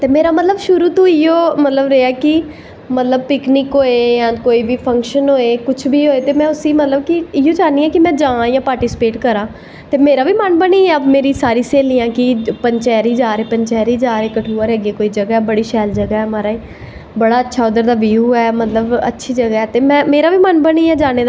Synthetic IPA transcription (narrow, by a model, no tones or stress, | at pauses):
t̪eːmeːɾaːmət̪ləbʃʊɾuːt̪ũːɪjoːmət̪ləbɾeːɛːkɪ | mət̪ləb̚pɪkniːkɦoːeːjãːkoːiːbiːpʰə̃ŋkʃənɦoːeːkʊt͡ʃʰbiːɦoːeːt̪eːmɛ̃ːʊsiːmət̪ləb̚kɪɪjõːd͡ʒaːniːɛːkɪmɛ̃ːd͡ʒãːãːjãːpaːɾʈiːsɪ̥peːʈkəɾãː | t̪eːmeːɾaːʋiːmənbəniːɛːəbmeːɾiːsaːɾiːseːliːãːkɪpəɲt͡ʃɛːɾiːd͡ʒaːɾeːpəɲt͡ʃɛːɾiːd͡ʒaːɾeːkəʈʰuːəɾɦɛːɡeːkoːiːd͡ʒəɡaːɛːbəɽiːʃɛːld͡ʒəɡaːɦɛːmaːɾaːiː | bəɽaːətːʃʰaːʊd̪əɾd̪aːʋiːuːɛːmət̪ləbə̰tːʃʰiːd͡ʒəɡaːɦɛːt̪eːmɛ̃ːmeːɾaːʋiːmənbəniːɛːd͡ʒaːneːd̪